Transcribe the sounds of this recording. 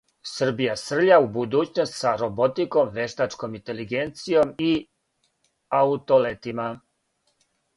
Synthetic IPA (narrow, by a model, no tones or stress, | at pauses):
sr̩bijasr̩ʎaubud̪uːt͡ɕnost̪saɾo̞bo̞t̪iko̞mʋe̞ʃt̪at͡ʃko̞mint̪e̞liɡent̪sijo̞mi | aut̪o̞let̪ima